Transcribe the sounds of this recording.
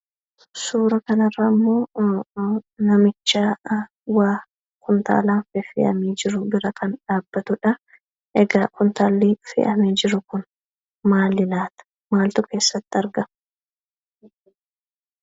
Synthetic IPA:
suːɾɐkɐnɐrːamːo̞ː | nɐmɪt͡ʃːaː | waː | kʰʊnt̪a̰ːlaːnfɛfɪ̰ʔɐ̰meːd͡ʒɪɾʊbɪɾɐkʰɐnᶑaːbːɐt̪ʊᶑɐ | ʔɛɡaːkʊnt̪aːlːiːfɪ̰ʔɐmeːd͡ʒɪɾʊkʊn | maːlːɪlaːt̪ɐ̥ | maːlt̪ʊke̞ːsːɐt̪ːɪɐɾɡɐm

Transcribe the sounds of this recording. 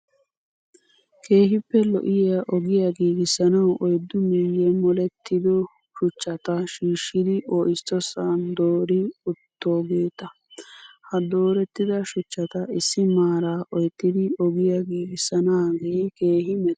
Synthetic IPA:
kʰe̞ːɦɪpːɛlɔ̰ʔɪjɐʔɔɡɪjaɡiːɡɪsɐnɐwʔɔjd̪ːʊmɪjːɛmɔlɛt̪ʰːɪd̪ɔ | ʃʊt͡ʃːɐt̪ɐʃiːʃːɪd̪ɪʔɔːʔɪst̪ːɔsand̪oːɾɪʊt̪ːoːɡeːt̪ɐ | hɐd̪o̞ːɾɛt̪ːɪd̪ɐʃʊt͡ʃːɐt̪ɐɪsɪmaːɾaːʔɔjt̪ːɪd̪ɪɔɡɪjaɡiːɡɪsɐnaːɡeke̞ːɦɪmɛt̪

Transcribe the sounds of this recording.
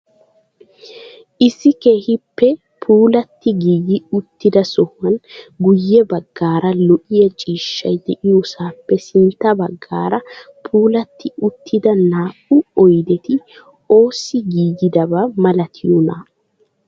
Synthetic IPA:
ʔɪsːɪkeːhɪpːɛ | pʰuːlɐt̪ːɪɡiːɡɪʊt̪ːɪd̪ɐsɔhʊɐnɡʊjːɛbɐɡːaːɾɐlɔʔɪjɐt͡ʃʼiːʃːɐjd̪ɛʔɪjoːsaːpːɛsɪnt̪ːɐbɐɡːa̰ːɾɐ | pʰuːlɐt̪ːɪʊt̪ːɪd̪ɐnaːʔʊɔjd̪ɛt̪ɪ | o̞ːsɪɡiːɡɪd̪ɐbamɐlɐt̪ʰɪjɔna

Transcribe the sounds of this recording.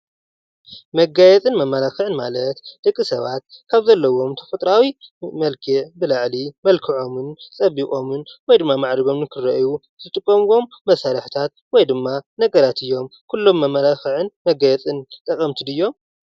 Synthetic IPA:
mɐɡajɛt͡sʼɨnmɐmːɐɾaxɨʕɨnmalɐt̪d̪̥ɐkʼːisɐβa̰t̪̚kʰaβzɐlːɐwo̞mt̪ʰɐ̥fɐt̪ʼɾawimɐlkʰɨʕbɨlaʕlimɐlkʰɨʕo̞mɨnt͡sʼɐβːikʼo̞mɨnwɔjd̪ɨmːamaʕd̪iɡo̞mnɨkʰɨɾɐʔju | zɨt̪ʼɨkʼːomɡo̞mːɐsaɾɐħt̪ʰat̪̚ | wɔjd̪ɨmːanɐɡɐɾat̪ʰɨjːo̞mkʰulːo̞mːɐmːɐlaxɨʕɨnmɐɡajɛt͡sʼɨnt̪ʼɐkʼɐmt̪ʰid̪ɨjːo̞m

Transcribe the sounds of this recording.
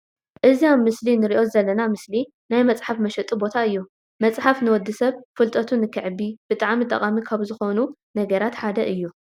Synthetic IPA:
ʔɨzijamːɨslinɨɾiʔo̞zɐlːɐnamɨsli | najmɐt͡sʼħafmɐʃɐt̪ʼibo̞t̪ʰaɨjːu | mɐt͡sʼħafnɨwɔd̪ːɨsɐβfɨlt̪ʼɐt̪ʰunɨkʰːɨʕɨbːib̥ɨt̪ʼaʕmit̪ʼːɐ̰χʼamikʰaβzɨxonu | nɐɡɐɾat̪ħad̪ɐʔɨjːu

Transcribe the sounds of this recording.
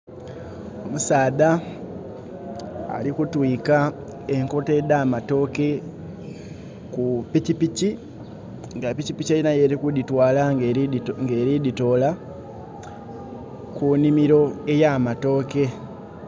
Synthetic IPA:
o̞musaːða | a̰likutwiːka | eŋkote̞daːmato̞ːke̞ | kupicipici | ŋɡapicipicajinajeɾekuditwaːla | ŋɡe̞ɾidito̞ːla | kunimiɾo̞e̞jamato̞ːke̞

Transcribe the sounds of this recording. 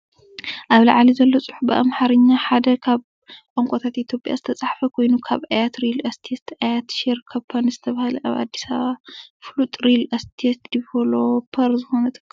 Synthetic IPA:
ʔaβlɐ̰ʕlizɐlːot͡sʼɨħubɨʔa̰mħaɾɨɲːaħad̪ɐkʰaβ | ʔʼoŋkʷʼot̪ʰat̪ʔit̪ʰjo̞pʼja̰zɨt̪ʰɐt͡sʼaħfɐkʰo̞jnukʰaβajat̪ɾilɐst̪ʰet̪ʰajat̪ʃeɾkʰɐpʰːɐnzɨt̪ʰɐβahlɐʔaβa̰d̪ːisaβaflut̪ʼɾilɐst̪ʰet̪d̪ipʰolopʰɐɾzɨxo̞nɐt̪ʰɨ̥kː

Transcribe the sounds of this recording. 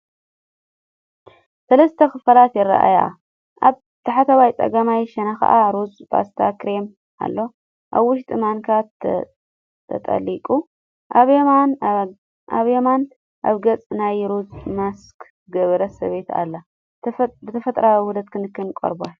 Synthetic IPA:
sɐlɐst̪ʰɐkʰɨfɐlat̪jɪɾa̰ʔa̰ja | ʔaβ | t̪ʰɐħat̪ʰɐβajt͡sʼɐ̰ɡɐmajʃɐnaxɐ̰ʔaɾuzba̰st̪ʰakɾem | ʔa̰lːo̞ | ʔaβwʊʃt̪ʼɨmankʰat̪ | t̪ʰɐ̰t̪ʼɐ̰likʼu | ʔaβeman | ʔaβjeman | ʔa̰βɡɐt͡sʼnajɾuzmaskʰ | ɡɐβɐɾɐsɐ̰βe̞t̪ʰa̰lːa | bɨt̪ʰɐfɐt̪ʼɾawʊd̪ɐd̪̚kʰɨnɨkːɨnkʼo̰ɾba

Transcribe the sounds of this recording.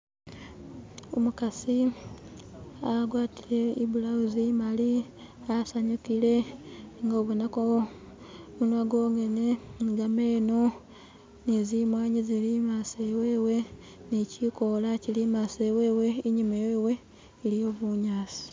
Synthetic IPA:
omukasi | aɡwaːtile̞ibulauzimali | asaɲukile̞ŋɡo̞ːβunako | βunwaɡoŋe̞neŋɡameːno | nezimwaːɲizilimasewe̞ːwe̞ | neciko̞lacilimasewe̞we̞iɲimejeːwe̞ː | lijo̞βuɲaːsi̥

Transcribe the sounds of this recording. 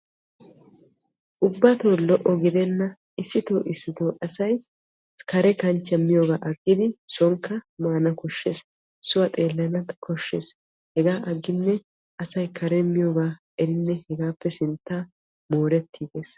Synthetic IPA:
ʔʊbːɐt̪oːlɔʔɔɡɪd̪ɛnːɐ | ʔɪsːɪt̪oːʔɪsːɪt̪oːʔɐsɐj | kɐɾɛkɐnt͡ʃːɛmːɪjoːɡaːʔɐɡːɪd̪ɪsɔŋkːɐmaːnɐkɔʃːeːs | sʊwɐt̪ʼe̞ːlːɐnɐt̪kʰɔʃːes | hɛɡaːʔɐɡːɪnːɛ | ɐsɐjkʰɐɾɛmːɪjoːɡaː | ɛɾɪnːɛhɛɡaːpːɛsɪnt̪ːaː | moːɾɛt̪ʰːiːɡeːs

